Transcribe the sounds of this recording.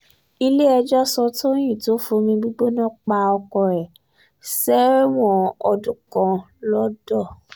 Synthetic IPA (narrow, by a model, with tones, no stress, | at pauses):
i˧le˦ɛ˧d͡ʒɔ˦sɔ˧to˦j̃ĩ˦˨to˨˦fũ˧˦mĩ˧ɡ͡bi˦ɡ͡bo˦nã˦k͡pa˧ɔ˧kɔ˧ɾɛ˨ | sɛ˦w̃ɔ̃˦ɔ˧dũ˦kã˧ | lɔ˦dɔ˦˨